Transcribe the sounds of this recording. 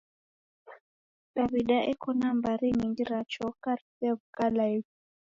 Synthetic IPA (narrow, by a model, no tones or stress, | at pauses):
daβiɗaʔɛkʰɔnambaɾiŋindiɾat͡ʃɔkaɾsɛvkalai